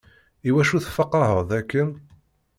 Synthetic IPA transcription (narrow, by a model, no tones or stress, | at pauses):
iwæʃuθfɑqːɾˤəɦəðˤækːən